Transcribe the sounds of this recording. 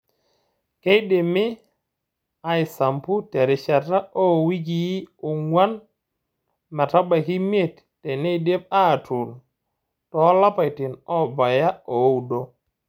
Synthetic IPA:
ke˦jde˨mi˦ | a˨jsa˨mpu˦te˨ɾi˨t͡ʃa˨ta˦o˦wi˦ɡi˨ji˦u˨ŋwa˦n | ma˨ta˦ba˨ki˦m˦e˦˨tːe˨ne˦jde˦p̚a˦˨tu˨l | tɔ˨˦la˦pa˨jti˨nɔ˦ba˨ja˦o˨˦u˨do˦

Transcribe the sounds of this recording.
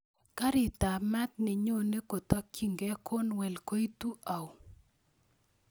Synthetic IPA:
ka˦ɾɪ˨t̪a˨ma˦t̪̚nɪ˨ɲo˦ne˦ko˨t̪a˦ki˦ŋɡɛ˦kʰo˦nwɛ˨lko˦i˦t̪u˦ʔa˨w

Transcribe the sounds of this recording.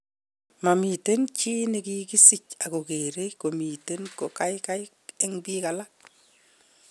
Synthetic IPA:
ma˨mi˨te˦nt͡ʃi˦neki˦ki˦sɪ˦˨t͡ʃa˨ko˨ke˨ɾe˦ko˨mi˨te˦nko˨ka˦ɪka˦j | ɛ˦ŋbika˨la˦

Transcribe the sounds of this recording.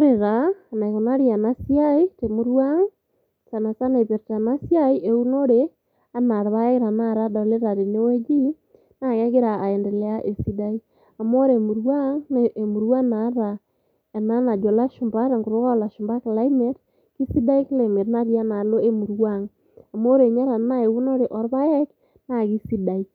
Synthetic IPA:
ɾe˨ɾa˨na˨i˨ko˨na˦ɾia˨na˦sijai˦te˨mu˦ɾwa˦ŋ | sa˨na˨sa˦na˨pe˨ɾta˨na˦sja˦i˦ʔe˨u˦no˦ɾe˦ | a˦na˨ɾβa˦e˦ɾa˨na˦ɾa˦da˨le˦ɾa˨ɾe˨ne˦we˦d͡ʒi˦ | na˨ŋe˦ɣe˦ɾa˨ʔa˨e˨ndɛ˨lɛ˦a˦ʔe˨si˦da˦i˦ | a˨mo˦ɾe˨mu˨ɾwa˦ŋne˨mu˨ɾwa˦na˨˦ɾa˨ | a˨na˦na˨d͡ʒɔ˨la˦ʃʊ˨mba˦ɾa˨ŋɡu˨ɾʊ˦ka˦˨la˨ʃʊ˨mba˦kla˦i˦me˨˦t | ki˦si˦da˦i˦kla˨me˨tna˦ɾja˦na˨lo˦e˦mu˨ɾwa˦˨ŋ | a˨mo˦ɾe˨ɲa˦ɾa˨na˦e˨u˦no˦ɾe˨ʔɔ˨ɾβa˦jɛ˦k | na˨ki˦si˦da˨i˦

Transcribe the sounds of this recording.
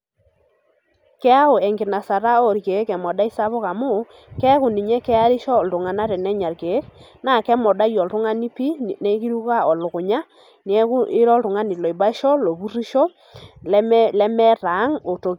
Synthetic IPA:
kɛ˦a˦ʊ˨ɛ˨ŋɡɪ˨na˨sa˨ɾa˦o˦˨ɾke˨˦kɛ˨mɔ˨da˦i˦sa˦βɔ˦ka˨mʊ˦˨ | kɛ˦kʊ˨ni˨ɲɛ˦kɛ˦a˦ɾɪ˦ʃɔ˦˨ltʊ˨ŋa˨na˦ɾɛ˨nɛ˦ɲa˨ɾke˨˦k̚ | na˨kɛ˦mɔ˨da˦jɔ˨ltʊ˦ŋa˦ni˦pi˦nɛ˦ki˦ɾu˦ka˦ɔ˨lʊ˨kʊ˨ɲa˦ | n˦ɛ˦kʊ˦ɪ˦ɾɔ˦ltʊ˨ŋa˦ni˨lɔ˨i˨ba˦ʃɔ˦lɔ˨bu˦ri˦ʃɔ˦ | llɛ˦mɛ˦ɾa˨˦ŋo˨to˨k

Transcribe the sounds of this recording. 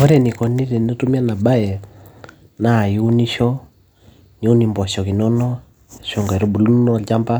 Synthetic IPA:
ɔ˦ɾɛ˨ni˨kɔ˨ni˦ɾɛ˨no˦tu˦mi˦a˦na˨ba˦jɛ˨ | naː˦˨ju˦ni˦ʃɔ˦ | ɲ˦u˦ni˨mbɔ˨ʃɔ˨ki˨nɔ˦nɔ˦ | ʃɔ˦ŋɡɾɔ˦bu˨lu˦n˦nɔ˦˨lt͡ʃa˦mba˦

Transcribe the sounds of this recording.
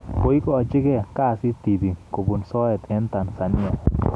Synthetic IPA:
po˦i˦kɔ˦ɔ˨d͡ʒɪ˦ɡɛ˦˨ka˦˨sɪ˦t̪i˨bi˨ko˨bu˨nsɔ˦ɛ˨t̪ɛ˦nt̪a˨nsa˨nɪ˦a˨

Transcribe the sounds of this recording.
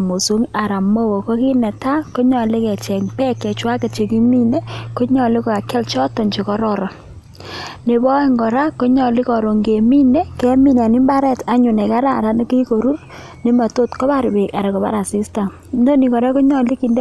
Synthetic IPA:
mo˨so˦ŋa˨ɾa˨mo˦wo˨ko˦ki˦nɛ˨ta˦ko˦ɲɔ˨le˦kɛ˨t͡ʃɛ˨ŋpɛ˦kːɛ˨t͡ʃwa˦ke˨t͡ʃe˨ki˦mi˦ne˦ko˦ɲɔ˨li˦kɔ˨ka˨kɛ˦lt͡ʃɔ˦tɔ˨ɲt͡ʃi˨kɔ˨ɾɔ˨ɾɔ˨ | ne˨bɔ˦e˦ŋɡɔ˨ɾa˦ko˦ɲɔ˨lɪ˦kɔ˨ɾo˨ŋɡe˨mi˦ne˦kɛ˦mi˦n˨a˨ni˦mba˦ɾɛ˦˨ta˨ɲʊ˨nɛ˨ka˦ɾa˦˨ɾa˦n˦ki˦ko˨ɾu˦r | ne˦ma˨to˦tkɔ˦ba˦˨ɾbe˨ka˨ɾe˨kɔ˨pa̰˦ɾa˨si˦sta˨m | ndo˦ni˨kɔ˨ɾa˦ko˦ɲɔ˨li˦ki˨nde˦

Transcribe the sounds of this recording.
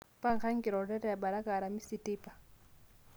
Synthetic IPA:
pa˦ŋ̩˨χʰa˦ŋ̩˦ki˨ɾɔ˨ɾɛ˦ɾɛ˦a˨ba˨ɾa˦ka˨ɾa˨mi˦si˨tʼiː˦pʼa˨

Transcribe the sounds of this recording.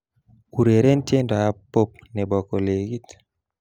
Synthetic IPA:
u˨ɾe˨ɾe˦n˦tje˦ndɔ˨a˦po˦p̚nɛ˨bɔ˨ko˨le˨ɡi˦t

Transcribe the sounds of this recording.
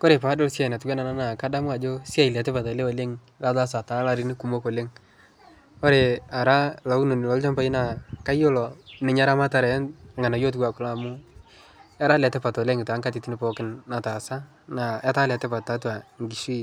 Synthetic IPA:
ko˦ɾe˨pa˨˦do˦lsja˦˨na˨tu˦ɡwɛ˦na˨na˦na˨ka˦da˦mʊ˦a˨d͡ʒo˦sa˦˨i˨lɛ˨te˦pa˨tɔ˨le˦o˨le˦ŋ | la˦da˦s̬a˨ta˨˦la˦ɾi˦ni˦ku˨mo˦ko˨le˦ŋ | ko˦ɾe˨a˨ɾa˦la˨u˦no˨ni˨lɔ˨˦lt͡ʃɔ˦mpa˨i˦na˨ka˦jo˦lɔ˨nɪ˨ɲa˦ɾa˦ma˦ta˨ɾa˨˦n˨ŋɡa˨na˨jo˦t̬ɡwa˨kʊ˨˦la˦˨mu˦ | a˦ɾa˦lɛ˨te˦pa˨tɔ˨le˦ŋɪ˨ta˨˦ŋka˦ti˨ti˦ni˦pɔ˦kɪ˦nːa˨ta˨sa˦ | na˨a˦ta˦la˨te˦pa˨tːa˨˦tu˦a˨ŋɡi˨ʃi˦˨

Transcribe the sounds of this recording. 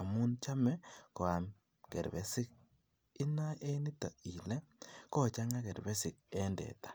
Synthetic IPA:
a˨mu˦nt͡ʃa˦me˦ko˨a˨m | kḛ˨ɾβe˨si˦k | i˦na˦ʔe˦ni˦ta̰˨i˨le˦ko˦˨t͡ʃa˦ŋa˦ke˨ɾβe˦si˨k̚e˦ndḛ˨tḁ˨

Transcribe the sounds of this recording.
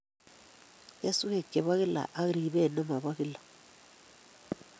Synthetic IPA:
ja˦su˦he˦˨kːe˨βa˦ɣi˦la̰˨ʔa˦ɣɾi˨βɛ˦˨na˦ma˨βa˦ɣi˦la˨

